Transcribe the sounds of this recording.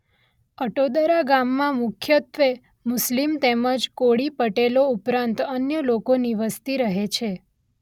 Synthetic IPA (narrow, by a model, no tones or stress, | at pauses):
əʈod̪əɾaɡamːãmʊkʰjət̪ʋe | mʊslimt̪eməd͡ʒkoɽipəʈeloupɾãnt̪ənjəlokoniʋəst̪iɾəɦet͡ʃʰe